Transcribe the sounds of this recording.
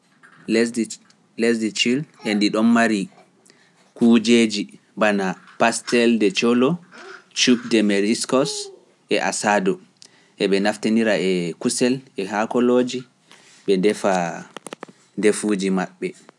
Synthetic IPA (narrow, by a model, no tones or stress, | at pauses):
lɛsdit͡ʃilʔɛndiɗɔnːaɾi | kud͡ʒeːd͡ʒi | banapastɛldɛt͡ʃɔlɔt͡ʃup̚dɛmɛɾiskɔs | ɛʔa̰sadɔ | ʔɛɓɛnafteniɾaɛkusɛlɛɦakɔlod͡ʒi | ɓɛndɛfa | ndefud͡ʒimaɓːɛ